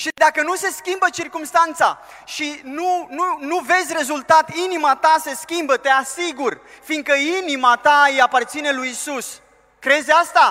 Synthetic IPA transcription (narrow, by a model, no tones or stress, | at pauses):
ʃid̪akənuse̞skʲimbət͡ʃirkumst̪ant̪sa | ʃinununuve̞dzʲre̞zult̪at̪inimat̪ase̞skʲimbət̪e̞asiɡur | finɡ̪̚kəinimat̪aiapart̪sine̞lujisus | kɾe̞zʲast̪a